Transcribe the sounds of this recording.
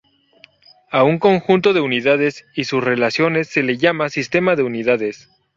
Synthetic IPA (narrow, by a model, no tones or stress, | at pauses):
auŋko̞ŋxunt̪o̞ðe̞uniðað̞e̞sisusre̞lasjo̞ne̞sːe̞le̞ʝamasist̪e̞maðe̞uniðaðe̞s